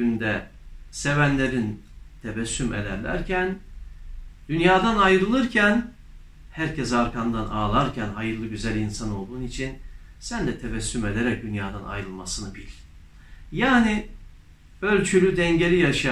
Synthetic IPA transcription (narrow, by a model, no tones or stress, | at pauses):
ynd̪ɛ | se̞vænlʲe̞ɾin | t̪ʰevɛsːymḛlʲæ̰ɾlʲæ̰ɾcʰæn | d̪̥ynjaːd̪anajɾɯlˠɯɾcʰæn | hæɾcʰɛs̬aɾkʰand̪anaːlˠaɾcʰænɦajɯɾlˠɯɟyzælʲinsano̞lˠd̪uːnit͡ʃʰinsænd̪ɛt̪ʰevɛsːyme̞lʲeɾɛc̚d̪ynjaːd̪ana̰jɾɯlˠmasɯnɯbilʲ | jaːni | ølʲt͡ʃʰylʲyd̪ɛɲɟe̞ɾijaʃ